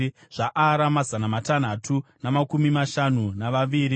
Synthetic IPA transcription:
ʐ̥aʔaɾamazanamatan̤atʰunamakumimaʃanunaʋaʋiːɾi

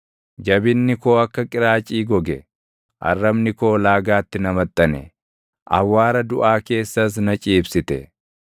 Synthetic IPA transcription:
d͡ʒɐbɪnːɪko̞ːɐkːɐkʼɪɾaːt͡ʃʼiːɡɔɡɛ | ʔɐ̰rːɐmnɪko̞ːlaːɡaːt̪ːɪnɐmɐt̪ʼːɐnɛ̰ | ʔɐ̰wːaːɾɐd̪ʊʔaːke̞ːsːɐs̬nɐt͡ʃʼiːbsɪt̪ɛ

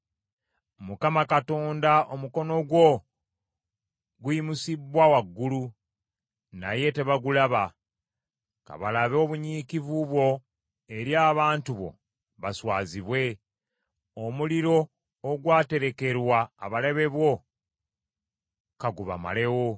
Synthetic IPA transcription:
mukamakato̞ːndaomuko̞no̞ɡwo | ɡuimusibwawaɡːulu | na̰je̞te̞βaɡulaβa | ka̰βalaβoβuɲiːkivuβwo̞ | e̞ɾjaːβaːntuβo̞̰ | βaswaːziβwe̞ | omuliɾo̞ː | ɡwaːte̞ɾe̞ke̞ɾwaːβaleβe̞βwo̞ | kaɡuβa̰ma̰le̞wo

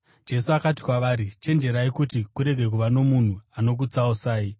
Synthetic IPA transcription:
d͡ʒe̞suakati̥kwaʋaːɾit͡ʃe̞nd͡ʒe̞ɾaikutikuɾe̞ɡʱe̞k̬uʋano̞mun̤uano̞k̬ut͡sausaːi

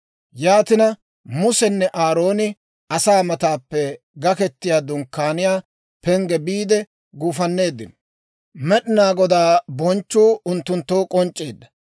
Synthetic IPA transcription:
jaːt̪ɪnɐ | mʊsɛnːɛʔaːɾo̞ːnɪ | ɐsaːmɐt̪aːpːɛ | ɡɐkɛt̪ːɪjaːd̪ʊŋkːaːnɪjaː | pɛŋɡɛbiːd̪ɛ | ɡuːfɐnːe̞ːd̪ːɪnɔ̥ | mɛɗɪnaːɡɔd̪aːbɔnt͡ʃːuːʊnt̪ːʊnt̪ːoːkʼɔnt͡ʃʼːe̞̰ːd̪ːɐ̥

